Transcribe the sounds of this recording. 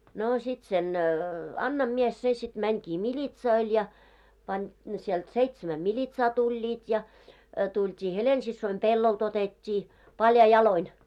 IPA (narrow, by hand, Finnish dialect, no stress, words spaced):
noː sit sen ɑnːɑm mies se sit mæŋkiː milʲitsoil jɑ pɑnʲ sielt seitsæmæ milʲitsɑː tulʲːiːt jɑ tultʲiː helensisːoim pelːolt otetʲːiː pɑljɑi jɑloin